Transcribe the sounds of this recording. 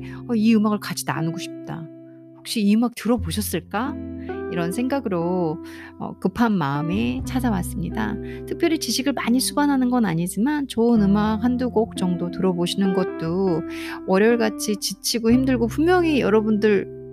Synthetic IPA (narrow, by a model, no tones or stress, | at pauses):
ʌiɯmaɡɯɭkad͡ʑʰi̥da̰nuɡoɕʰi̥p̚t͈a | ɸok̚ɕ͈iːɯmak̚tɯɾʌboɕʰʌs͈ɯɭk͈aiɾʌnsʰe̞ŋɡaɡɯɾo | ʌ̰kɯpʰanmaɯmet͡ɕʰad͡ʑawas͈ɯmɲida̰tʰɯk̚pʰjʌɾit͡ɕiɕʰiɡɯɭmaɲisʰubanɦanɯnɡʌnaɲid͡ʑimant͡ɕoɯnɯmakɦanduɡok̚t͡ɕʌŋdotɯɾʌboɕʰinɯnɡʌt̚t͈o | wʌɾeʌɭɡat͡ɕʰit͡ɕit͡ɕʰiɡoçimdɯɭɡopumjʌŋijʌɾʌbundɯɭ